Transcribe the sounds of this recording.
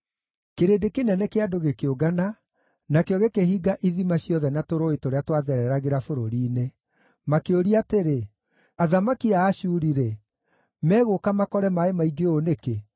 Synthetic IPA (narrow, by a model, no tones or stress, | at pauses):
keɾedekenɛnɛkeadoɣekeoɡana | nakeɔɣekehiɡaʔiðimaɕjɔðɛnatoɾoetoɾeatwaðɛɾɛɾaɣeɾafoɾoɾiːne | makeoɾiateɾe | aðamakiaːɕuːɾiɾɛ | mɛːɣokamakɔɾɛmaemaiɡeoneke